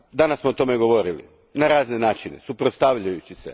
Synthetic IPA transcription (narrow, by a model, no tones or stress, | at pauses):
d̪anasmoot̪o̞meɡo̞ʋo̞ɾilḭ | naɾaːzne̞naːt͡ʃinḛsupɾot̪st̪aʋʎajut͡ɕisḛ